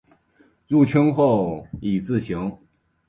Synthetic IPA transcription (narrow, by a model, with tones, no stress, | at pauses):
ɻu˥˩t͡ɕʰə˥ŋxo˥˩ʊi˨˩t͡sɹ̩˥˩ɕi˧˥ŋ